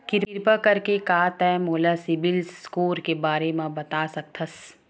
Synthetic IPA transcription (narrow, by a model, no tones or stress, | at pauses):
kɪɾɪɾpakɐɾkekaːt̪ɛːmoːlasɪbɪlskoːɾkebaːɾemãbɐt̪aːsɐk̚t̪ʰɐs